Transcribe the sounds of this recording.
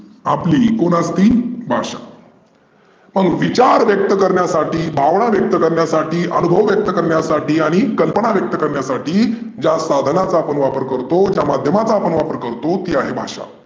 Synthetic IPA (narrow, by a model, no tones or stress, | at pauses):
apliːkoɽ̃ast̪iːbʱa̰ʂa̰ | m̤əɽ̃uːnʋit͡ɕaɾʋjək̚t̪əkəɾɳjasaʈiːbʱaʋɳ̃aʋjək̚t̪əkəɾɳjasaʈʰiːʔənubʱəʋʋjək̚t̪əkəɾɳjasaʈiːaɽ̃ikəlpəɳaʋjək̚t̪əkəɾɳjasaʈiː | d͡ʑjasad̪ʱənat͡saːpəɳʋapəɾkəɾt̪od͡ʑjamad̪ʱjəmat͡saːpəɳʋapəɾkəɾt̪ot̪iːaɦebʱa̰ʂa̰